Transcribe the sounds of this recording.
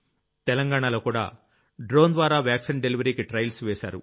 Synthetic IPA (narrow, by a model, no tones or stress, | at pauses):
t̪ɛlɐŋɡaːɳalo̞ːkuːɽa̰ː | ɖɾo̞ːnd̪ʋaːɾaːʋjaːksinɖeliʋɐɾiːkiʈɾɐjlsʋeːsa̰ːɾṵ